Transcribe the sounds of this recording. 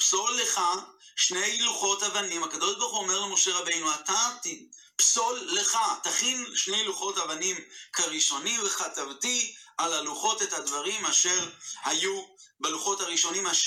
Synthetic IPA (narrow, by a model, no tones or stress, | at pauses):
pso̞lːeχaʃne̞jluχo̞tavanimakado̞ʃbaʁχuome̞ʁlemo̞ʃe̞ʁabe̞jnuatati | pso̞lːeχataχinʃne̞jluχo̞tavanimkaʁiʃo̞nimveχatavtialaluχo̞tethadvaʁimaʃe̞ʁhajubaluχo̞thaʁiʃo̞nimaʃ